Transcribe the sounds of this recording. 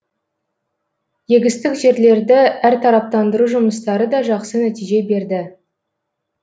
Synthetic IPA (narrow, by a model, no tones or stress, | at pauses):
je̞ɡʲɪst̪ɪkʒe̞ɾle̞ɾd̪ɪʔæɾt̪ʰɑɾɑp̚t̪ɑnd̪əɾuʒʊməst̪ɑɾəd̪ɑʒɑqsənæt̪ijʒe̞be̞ɾd̪ɪ